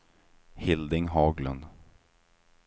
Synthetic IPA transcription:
hɪld̪ɪŋɦɑːɡlɵ̰nd̪

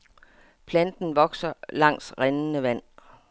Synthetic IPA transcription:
pʰlænd̥n̩ʋɒ̽ɡ̥sɐlɑ̈ŋ̰sʁennəʋæn̰

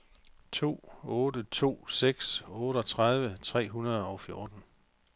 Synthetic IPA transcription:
t͡sʰo̝̰ːɔ̽ːdət͡sʰo̝̰ːseɡ̥sɔ̽ːɾəɒ̽t͡sʰʁað̞ˠʋət͡sʰʁɛ̰ːɦunɐð̞̩ˠɒ̽ʊfjo̝ːd̥n̩

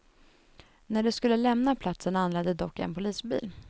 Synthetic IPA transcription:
næɖɛskɵlːəlɛmnapʰlat̪sənanːlɛd̪əd̪ɔkːɛ̰npʊliːsbḭːl

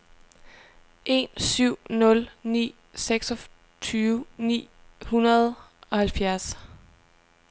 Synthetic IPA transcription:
ʔe̝̰nsyʊ̰nɔ̽lnḭː | seɡ̥sɒ̽ | t͡sʰyːʋnḭːhunɐð̞ˠ | ɒ̽hælfjæɐs

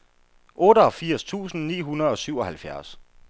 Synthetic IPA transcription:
ʔɔ̽ːɾəɒ̽fiɐ̰st͡sʰṵːsn̩nḭːɦunɐð̞̩ˠɒ̽syʊ̰ɒ̽hælfjæɐs

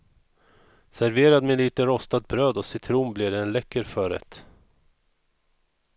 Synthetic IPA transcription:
sæɾveːɾad̪meliːt̪əɾɔst̪ad̪̚bɾøːd̪ɔsɪt̪ʰɾuːnblɪɖɛɛnlɛkːəɾfœːɾɛ̰t̪

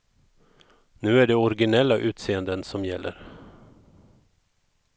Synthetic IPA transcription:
nʉ̟ːæɖɛɔɾɡɪnɛlːaʔʉ̟ːt̪seːənd̪ənsɔmjɛlːʔə̰ɾ

